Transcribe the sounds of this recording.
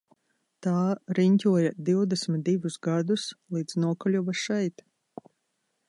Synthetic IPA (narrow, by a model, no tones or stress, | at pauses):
t̪aːɾiɲʲcʲuɔjad̪iwd̪ɛsmʲit̪̚d̪ivusɡad̪uslˠiːd̪znuɔkɔlʲuvaʃɛjt̪